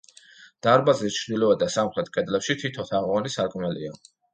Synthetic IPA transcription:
d̪̥aɾbazɛt͡ʃʰɾd̪ilɔad̪asamχɾɛt̪̚kʼɛd̪lɛpʃit̪ʰit̪ʰɔt̪ʰaʁwanisaɾkʼmɛlḭa

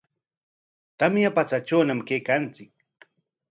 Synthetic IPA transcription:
t̪amjapat͡sat͡ʃawnamkejkant͡sɪk̚

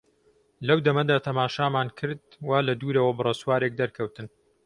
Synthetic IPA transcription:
lɐwd̪ɐmɐd̪aːt̪ʰɐmaːʃaːmaːnkʰɨɾd̪̚waːlɐd̪uːɾɐwɐbɨrˤɐswaːɾeːk̚d̪ɐɾkʰɐwt̪ɨn

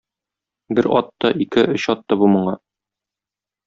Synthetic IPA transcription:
bɘɾɒ̰t̪ːɑʔikɘʔɵ̆ɕɒt̪ːɑbumɤ̆ɴɑ

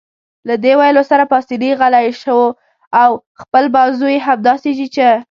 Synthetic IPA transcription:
lad̪ewajlosaɾapɑsiliɣalajʃəwo | aw | xpəlbɑzujeɦamd̪ɑseʒit͡ʃe

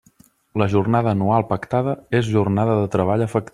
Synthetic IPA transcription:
ləʒurnaðəːnualˠpəkt̪aðəezʒurnaðəðət̪ɾəβaʎəfək̚t̪

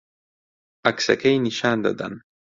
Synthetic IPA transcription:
ɐksɐ̰kajniʃaːnd̪a̰d̪a̰n

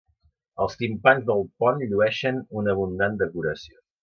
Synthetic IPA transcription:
əlˠst̪impanzðəlˠpɔnʎuɛʃənunəβ̞und̪and̪əkuɾəsio

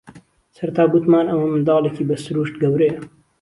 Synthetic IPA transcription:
sɐɾt̪ʰaːɡut̪maːnɐwɐmɨnd̪ɑːlˠeciːbɐsɨɾuːʃt̪ɡɐwɾe

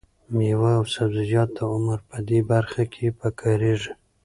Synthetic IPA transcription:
mewaːwsabzɪd͡ʒɑt̪̚d̪əʊmaɾpəd̪ebaɾxakʰepəkʰəɾeʐi

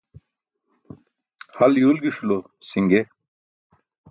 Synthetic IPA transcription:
hɐljuːlɡiɕulo | siŋɡe

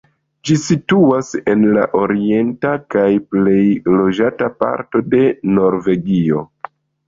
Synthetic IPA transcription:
d͡ʒisituase̞nla̰ʔo̞ɾie̞ntakajple̞jlo̞d͡ʒatapa̰ɾto̞de̞no̞ɾve̞ɡio̞̰

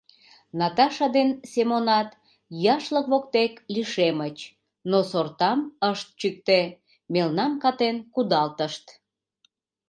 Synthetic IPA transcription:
nɑt̪ɑʃɑd̪ensemonɑt̪ | jɑʃləkβokt̪ekliʃemət͡ɕ | nosort̪ɑməʃt̪̚t͡ɕyk̚t̪e | melnɑmkɑt̪enkud̪ɑlt̪əʃt̪

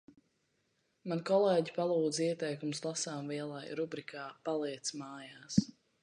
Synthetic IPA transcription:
mankɔlˠɛːɟipalˠuːd̪ziɛt̪ɛjkumslˠasaːmviɛlˠajɾubɾikʰaːpalˠiɛt̪smaːjaːs

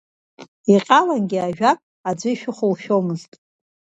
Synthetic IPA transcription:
iqʲʼalanɡʲɪaʒᶣakʼ | ad͡zʷɨiʃᶣʊχʷʊlʃᶣomɨztʼ

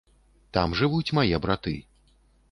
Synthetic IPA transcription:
t̪amʐɨvut͡sʲmajɛbɾat̪ɨ̰

